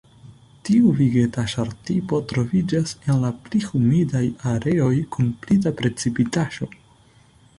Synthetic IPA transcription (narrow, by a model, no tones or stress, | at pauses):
tiuviɡe̞taʃaɾtipo̞tɾo̞vid͡ʒase̞nlaplihumidajaɾe̞o̞jkunplidapɾe̞t͡sipitaʃo̞